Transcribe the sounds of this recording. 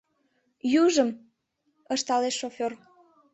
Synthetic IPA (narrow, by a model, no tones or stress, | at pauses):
juʒəm | əʃt̪ɑleʃːofʲor